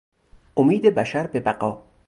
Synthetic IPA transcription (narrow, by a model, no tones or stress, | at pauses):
omiːd̪ebæʃæɾbebæɢɒː